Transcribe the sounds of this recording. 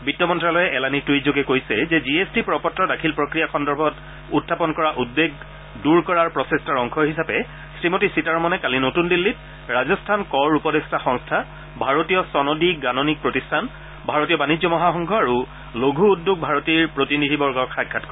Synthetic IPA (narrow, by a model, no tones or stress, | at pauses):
bitːɔmɔntɹalɔjɛʔɛlanitijzoɡɛkojsɛzɛziesdipɹɔpɔtːɹɔdakʰilpɹokɹijaxɔndɔɹbʱɔt | utʰːapɔnkɔɹaʔudːeɡ̚ | duɹkɔɹaɹpɹɔsestaɹɔŋkʰɔɹɦisapɛ | sɹimotisitaɹmɔnɛkalinotundilːit | ɹazɔstʰankɔɹupɔdestaxɔ̃ŋstʰa | bʱaɹotijɔsɔnodiɡanonik̚pɹotistʰan | bʱaɹotijɔbanizɔmɔɦaxɔŋkʰɔaɹu | loɡʱuːdːuɡ̚bʱaɹotiɹpɹotinidʱibɔɹɡɔkxakʰːatkɔɹ